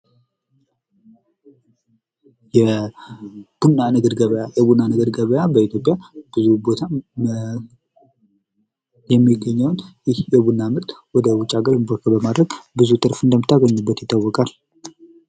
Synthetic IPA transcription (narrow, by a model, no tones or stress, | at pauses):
jɛ | b̥unːanəɡəd̪ɡəβjajɛbunːanəɡəd̪ɡəβəjabəit̪ʰjo̞pʼjab̥ɨzubo̞t̪ʰa | jɛmːiɡːəɲːəwnjɪhjɛbunːamɨɾt̪wɔd̪əwʊt͡ʃʼːaɡəɾɪmbɔkʰəbəmad̪ɾəɡbɨzut̪ʼɨɾfɨnd̪əmːɨt̪ʰːaɡəɲːubːət̪jɪt̪ːawːɔkʼal